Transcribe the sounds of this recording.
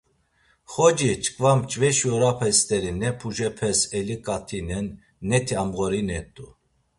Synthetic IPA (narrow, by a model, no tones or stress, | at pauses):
χɔd͡ʒit͡ʃkʼvamt͡ʃʼvɛʃjɔɾapʰɛst̪ʼɛɾinɛpʰuʒɛpʰɛsɛlikʼat̪ʰinɛnː | ɛt̪ʰiamɣɔɾinɛt̪ʼu